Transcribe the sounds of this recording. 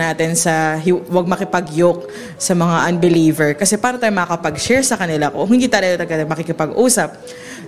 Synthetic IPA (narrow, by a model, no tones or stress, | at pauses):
naːt̪ɪnsɐɦwɐɡ̚mɐkɪpɐɡjok̚ | sɐmɐŋaʔɐnbɪliːvɛɹkɐsɛpaːɾot̪aːjmɐkɐkɐpɐɡ̚ʃɛɹsɐkɐnɪlakoɦɪnd̪iːt̪alɐɡot̪ɐɡɐt̪ɐmɐkɪkɪpɐɡʔuːsɐp̚